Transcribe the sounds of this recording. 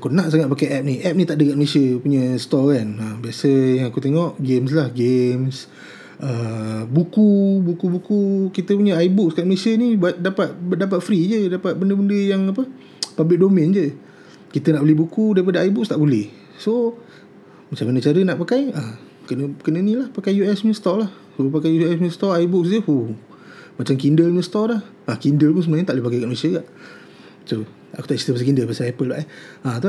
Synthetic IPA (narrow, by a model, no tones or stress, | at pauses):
akunaʔs̬aŋat̪̚pakajʔɛp̚niʔɛp̚nĩt̪aʔdəkat̪̚məlesiəpuɲəst̪ɔkanəmbiasəjaŋakut̪eŋɔʔɡems̬lahɡems | ʔəbukubukubukukit̪əpuɲəajbuk̚skaʔ̪məlesiənibadapat̪̚dap̬at̪̚fɾid͡ʒədapat̪̚bəndəbəndəjaŋapə | pabɪʔ̚domɪnd͡ʒə | kit̪ənaʔbəlɛhbukudaɾipadəajbʊk̚st̪aʔbulɛh | so | mat͡ʃamkənət͡ʃaɾənaʔpakaja | kənəkənənilahpakajjuɛsməst̪ɔʔlah | sopakajuɛsməst̪ɔaibʊk̚sd͡ʒəhu | mat͡ʃamkindəlɲəst̪ɔlah | akindəlpʊŋsəmaɲət̪aʔlipakajkaʔmoesəɡaʔ | so | a̰ku̥t̪aʔsi̥t̪əpəs̬əkindəlpasaɛpəlbaʔɛat̪u